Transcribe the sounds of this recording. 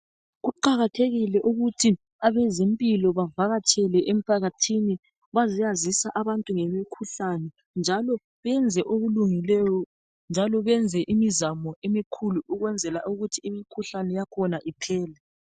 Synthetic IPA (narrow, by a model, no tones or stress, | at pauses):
ɣuǃaɣatʰeɣilɛʔuɣutʰi | aβɛzempʼilɔβavaɣat͡ʃʰʼɛlɛʔem̩pʰaɣatʰini | βazijazisaʔaβantʼuŋɛmikʰuɬanɛ | nd͡ʒʱalɔ | βɛnd͡zʱɛʔoβuluŋilɛjɔ | nd͡ʒʱalɔβɛnd͡zʱɛʔimizamɔemikʰuluʔuɣwɛnd͡zʱɛla̰ʔuɣutʰiimikʰuɬanɛjakʰɔnaʔipʰɛːlɛ